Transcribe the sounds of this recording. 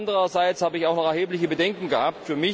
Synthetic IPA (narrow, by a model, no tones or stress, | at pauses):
ndəʁɐzaɪt͡shaːbəɪçaʊxnɔχɛɐheːplɪçəbədɛŋkŋ̩ɡəhaːp̚tfyːɐmɪ